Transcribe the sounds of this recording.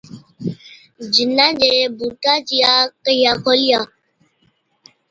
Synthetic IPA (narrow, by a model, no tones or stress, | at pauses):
d͡ʒinːãd͡ʒebutat͡ʃijakəjakɔlia